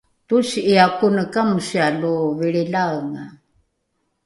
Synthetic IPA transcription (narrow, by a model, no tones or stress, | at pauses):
t̪usiakunəkamusialuviɭilaɣŋa